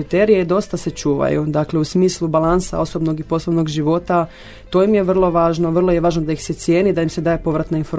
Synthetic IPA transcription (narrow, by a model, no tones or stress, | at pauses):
it̪eɾijeid̪o̞st̪ase̞t͡ʃuːʋa̰jṵd̪akle̞usmiːslˠubalˠansa̰o̞sobno̞ɡipo̞slˠoʋno̞ɡʒiʋo̞t̪a | t̪o̞jimjeʋr̩lˠo̞ʋaːʒno̞ʋrlˠojeʋaːʒnod̪aixse̞t̪sje̞ːnid̪ajimsed̪aːjepo̞ʋɾat̪nainfoɾ